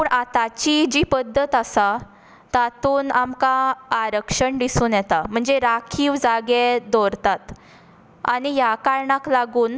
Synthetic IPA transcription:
puːɳʔat̪at͡ɕid͡ʑiːpəd̪ʱːət̪asa | t̪at̪uːnamkaːɾəkʂəɳd̪isuːnjɛt̪am̤əɳd͡zeɾakʰiːʋd͡zaɡed̪ɔɾt̪at̪ | a̰nijakaɾɳaklaɡuːn

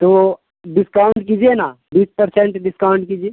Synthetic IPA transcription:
t̪o | ɖɪskaʊɳʈkiːd͡ʒienaː | biːspəɾsẽɳʈɖɪskaʊ̃ɳʈkiːd͡ʒie

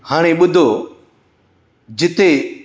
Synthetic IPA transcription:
haːɽ̃eːɓʊd̪ʱoː | d͡ʑɪt̪e

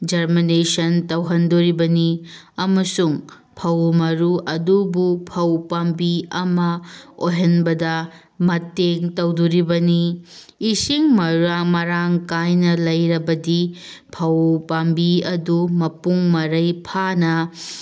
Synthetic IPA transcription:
d͡ʒɐɾminesɐntɐwɦɐndoɾibɐni | ɐmɐsuŋ | pʰɐwmɐɾuʔɐdubupʰɐwpambiɐmɐojɦɐnbɐdɐ | mɐtːeŋtɐwduɾibɐniː | siŋmɐɾuɾamɐɾaŋkajnɐlɐjɾɐbɐdi | pʰɐwpambiɐdumɐpuŋmɐɾɐjpʰanɐ

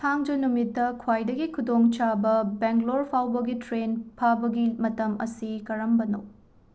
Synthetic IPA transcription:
t̪ʰaŋd͡ʒɐnumitːɐkʰwajdɐɡikʰudoŋt͡ʃabɐbeŋɡloɾpʰawbɐɡitɾenpʰabɐɡimɐtɐmɐ̰sikɐɾɐmbɐnɐw

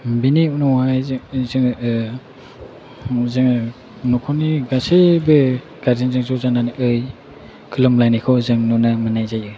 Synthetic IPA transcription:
biniunɔhajzzɯŋ | zɯŋ | nɔkʰɔniɡasebɯ | ɡ̥aɾdinzɯŋzɔwzananʔɯj | kʰɯlɯmlajnikʰɔwzɯŋnɔnamɯnajzajɯ

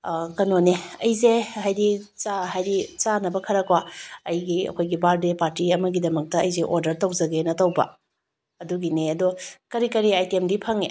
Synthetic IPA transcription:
kɐnoneɐjzehajdit͡ʃaɦajdit͡ʃanɐbɐkʰɐɾɐkwaɐjɡiɐ̰kʰojɡibaldepaɾtiɐmɐɡidɐmɐk̚tɐɐjzeʔoɾdɐɾtɐwzɐɡenɐtɐwbɐ̰ | ɐduɡineɐdokɐɾikɐɾiajtemdipʰɐŋe

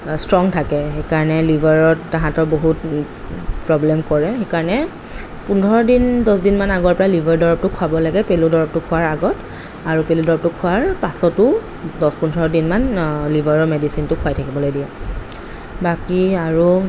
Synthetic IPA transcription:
stɹɔŋtʰakɛxekaɹɔnɛlibʱaɹɔtːaɦãtɔɹboɦut | pɹɔblɛmkɔɹɛxekaɹɔnɛ | pundʱɔɹɔdindɔsdinmanaɡɔɹpɔɹalibʱaɹdɔɹɔp̚tʊkʰwabɔlaɡɛpeludɔɹɔb̚tʊkʰʊwaɹaɡɔt | aɹupeludɔɹɔp̚tʊkʰʊaɹpasɔtʊ | dɔspundʱɔɹɔdinmanlibʱaɹɔmedisintʊkʰʊajtʰakibɔlojdija | bakiaɹu

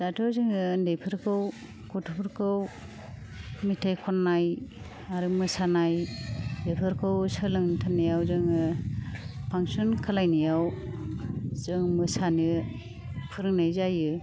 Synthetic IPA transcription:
z̥atʰɯzɯŋɯndejpʰɯɾkʰɯw | kʰotʰupʰɯɾkʰɯw | mitʰajkʰɔnːaj | aɾɯmɯsanajdepʰɯɾkʰɯwsɯlɯŋntʰanːijawzɯŋɯ | pʰaŋsunkʰalajnijaw | zɯŋmɯsani | pʰɯɾɯŋnajzajɯ

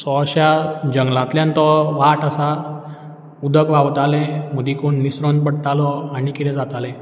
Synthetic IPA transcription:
sɔɕjad͡ʑəŋɡlãt̪ljãnt̪ɔʋaʈasa | ud̪ʱəkʋaʋt̪alɛ̃məd̪ikoɳːisɾɔnpəɽʈ̪alɔaɽ̃ikit̪ɛ̃d͡zat̪alɛ̃

